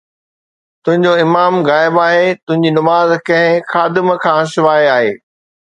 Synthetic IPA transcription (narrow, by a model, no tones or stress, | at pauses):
t̪ʊ̃ɦɪ̃ɲd͡ʑoɪmaːmɣaːɪbaːɦet̪ʊ̃ɦɪ̃ɲd͡ʑinɐmaːzkɐ̃ɦɪ̃xaːd̪ɪmkʰãːsɪʋaːeaːɦeː